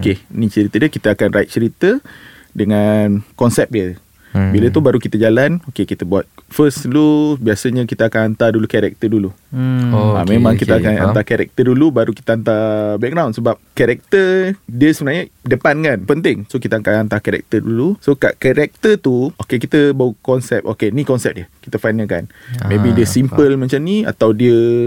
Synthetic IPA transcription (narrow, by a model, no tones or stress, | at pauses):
okenit͡ʃəɾit̪ədiəkit̪əakanrʔait̪̚t͡ʃəɾit̪ə | dəŋankɔnsɛp̚diə | bilət̪ubaɾukit̪əd͡ʒalanokekit̪əbuat̪̚fəslubiasəɲəkit̪əakanant̪adulukɛɾɛ̰k̚t̪ədulu | amẽmãŋkit̪əakana̰nt̪akɛɾɛ̰k̚t̪ədulubaɾuki̥t̪əant̪abɛk̚ɡɾawnsəbap̚kɛɾɛk̚t̪ədiəsəbənaɲədəpankanpənt̪ɪŋsokit̪əakanant̪akɛɾɛ̰k̚t̪ədulusoka̰ʔkɛɾɛk̚t̪ət̪uokekit̪əbawukɔnsɛp̚ʔokenikɔnsɛp̚diəki̥t̪əfajnəka̰n | mẽbidiəsimpəlmə̃t͡ʃamnia̰t̪awdiə